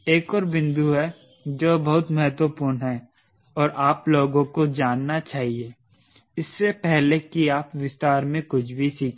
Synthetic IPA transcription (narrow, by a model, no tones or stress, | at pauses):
eːkɔːɾbɪ̃nd̪ʱuɦɛ | d͡ʒoːbɐɦʊt̪məɦət̪wəpʊːɾnɦɛ | ɔːɾʔaːploːɡõkod͡ʒaːnːat͡ʃaːɦie | ɪsːepɛɦlekiaːpʋɪst̪aːɾmẽkʊt͡ʃʰbʱisiːkʰ